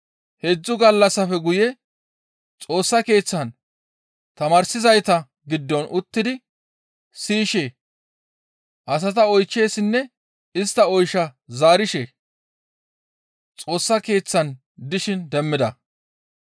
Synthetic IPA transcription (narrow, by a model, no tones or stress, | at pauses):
hed͡zːʊɡɐlːɐsːɐfɛɡʊjɛ | t͡sʼo̞ːsːɐke̞ːt͡sːɐn | t̪ɐmaːɾsɪzɐjt̪ɐ | ɡɪd̪ːɔnʔʊt̪ːɪd̪ɪ | siːʃeː | ʔɐs̬ɐt̪ɐɔjt͡ʃːe̞ːsɪnːɛ | ɪst̪ːɐɔjʃɐzaːɾɪʃe | t͡sʼo̞ːsːɐke̞ːt͡sːɐn | d̪ɪʃɪnd̪ɛmːɪd̪ɐ̰